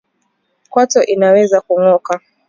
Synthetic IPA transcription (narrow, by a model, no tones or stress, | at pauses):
kwatɔʔinawɛzakuŋɔka